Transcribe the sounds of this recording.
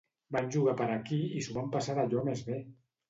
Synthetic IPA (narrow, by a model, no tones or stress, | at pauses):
banʲʒuɣapəɾakiisuβampasaɾaʎɔmezβe